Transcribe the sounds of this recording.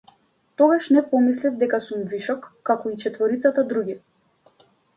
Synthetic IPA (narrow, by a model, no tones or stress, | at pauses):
t̪ɔɡaʃnɛpɔmislivd̪ɛkasumviʃɔkːakɔit͡ʃɛt̪vɔɾit̪sat̪ad̪ɾuɡʲi